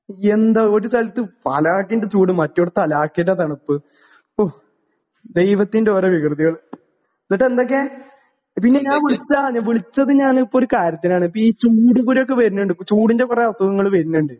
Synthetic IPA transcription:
end̪ɐo̞ɾusʰɐlɐt̪ːɨpɐ̰laːkːindet͡ɕuːɽɨmɐtːoɽut̪ɐlaːkːindɐt̪ɐɳɐpːɨ | o | d̪e̞jʋɐt̪ːindeoːɾeʋikrɨðiɣɐɭ | nːiʈːend̪o̞k̬ːe | pinːe̞ɲaːnʋiɭit͡ɕːaaɲːaːʋiɭit͡ɕːɐðɨɲaːnipːooɾukaːɾjɐt̪ːinaːɳɨpːoiːt͡ɕuːɽukuɾjokːeʋɐɾunːuɳɖɨt͡ɕuːɽiɲd͡ʑɐkureɐsɐɣɐŋːɐɭʋɐɾunːuɳɖɨ

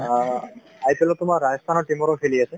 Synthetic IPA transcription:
aitɛlɔt̪ʊmaɹajɔst̪ʰanɔtimɔɹɔpʰeliasɛ

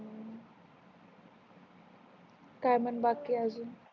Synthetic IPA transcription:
kajmanbakiazu

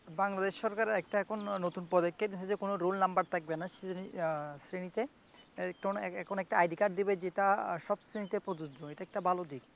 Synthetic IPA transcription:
baŋlad̪eʃːɔɾkaɾeɛk̚ʈaɛkʰonːot̪unpɔd̪ekːeɾmis̬ʰed͡ʑekonoɾolnambaɾt̪ʰak̚benaʃnisɾenit̪e | kʈonɛkʰonɛk̚ʈaajɖikaʈ̚d̪ibed͡ʑeʈaʃɔbsɾenit̪epɾod̪ud͡ʒd͡ʑoeʈaɛk̚ʈabalod̪ik

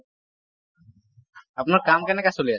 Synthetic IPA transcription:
apnaɾkamkɛnɛkasolia

